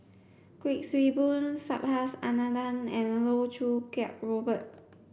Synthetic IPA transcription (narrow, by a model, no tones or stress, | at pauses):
kwik̚swibũnsa̰p̚hasanadãnɛ̃nlotʰɹukɛp̚ɹobət̚